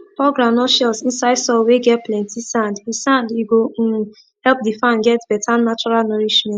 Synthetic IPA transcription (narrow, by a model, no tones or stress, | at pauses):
pɔɡɾãmnɔʃɛlsĩnsaɪdsɔweɡɛt̚plɛ̃ntisãndisãndiɡo | hɛlp̚difãnɡɛtb̥ɛtʰanat͡ʃɔɹalnɔɾid͡ʒmɛ̃